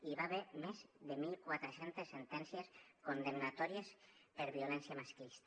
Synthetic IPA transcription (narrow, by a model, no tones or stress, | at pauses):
iβaβeɾmezd̪emilˠkwat̪ɾesent̪esːent̪ɛnsijeskond̪emnat̪ɔɾiespeɾβiolɛnsjamaskist̪